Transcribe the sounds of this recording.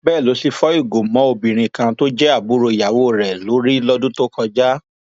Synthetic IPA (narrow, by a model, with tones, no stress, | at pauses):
bɛː˦˨lo˨˦si˧fɔ˦i˦˨ɡo˨mɔ̃˨˦o˧bĩ˨ɾ̃ĩ˧kã˧to˦d͡ʒɛ˦a˦˨bu˨˦ɾo˧i˨ja˨wo˨˦˨ɾɛ˨lo˨˦ɾi˦lɔ˦dũ˦to˦kɔ˧d͡ʒa˦